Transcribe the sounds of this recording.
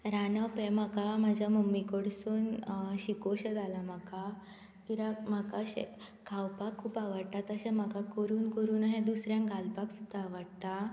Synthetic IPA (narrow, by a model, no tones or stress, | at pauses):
ɾanəpemakamad͡ʑʱjamomːikoɽsuːnɕikoɕəd̪alam̤aka | kiɾam̤akaɕḛ | kʰawpakʰːuːpaʋəɽt̪at̪əɕɛm̤akakəɾuːnkəɾuːnaɦẽd̪usɾjãŋɡʱalpaksud̪ʱaːʋəɽt̪a